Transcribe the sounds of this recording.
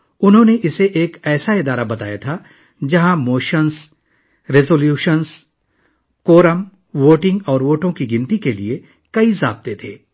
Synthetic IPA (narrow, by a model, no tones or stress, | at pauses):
ʊnɦõneʔɪseʔeːkɛːsaɪd̪aːɾabɐt̪a̰ːjat̪ʰa | d͡ʒɐɦãmoːʃəns | ɾɪzoːljuːʃəns | koːɾəm | ʋoːʈɪ̃ŋɡɔːɾʋoːʈõkiɡɪ̃nt̪ikelie | kɐizaːb̚t̪et̪ʰḛː